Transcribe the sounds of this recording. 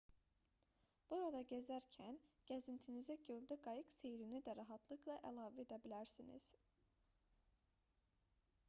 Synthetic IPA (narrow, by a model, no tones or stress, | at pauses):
b̥uɾɑd̪ɑɟezæɾcʰænɟ̥æzint̪ʰinizæɟøld̪æɡɑjɯɡse̞jɾinid̪æɾɑɦɑt̪ʰlˠɯklˠɑʔælˠɑːveed̪æbilæɾsinḭz̥